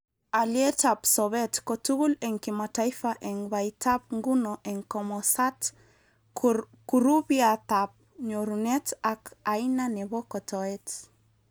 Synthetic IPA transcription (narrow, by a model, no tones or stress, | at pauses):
aljɛtapsɔβɛtkɔtuɣulɛŋkimataifaʔɛŋβaitap̚ŋɡunɔʔɛŋkɔmɔsat | kuɾubiat̪ap̚ | ɲoɾunɛtakainanɛβɔkɔtɔɛt